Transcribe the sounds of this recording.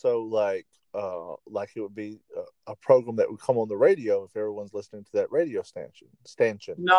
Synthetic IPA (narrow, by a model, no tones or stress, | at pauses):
soʊlaɪk | ʌlaɪkɨt̚wəd̚biʌəpʰɹ̥oʊɡɹæ̃mðɨʔ̚wʔəd̚kʰʌ̃mə̃nðəɹeɪɾioʊɨfɛvɹiwʌ̃nzlɪsnɪ̃ŋtʰɨðɨʔ̚ɹeɪɾioʊstæ̰̃nʃnstæ̃nʃɨ̃n